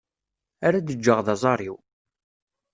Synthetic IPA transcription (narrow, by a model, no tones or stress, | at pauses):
aɾad̪əd͡ʒːəʁðɑzˤɑɾˤiw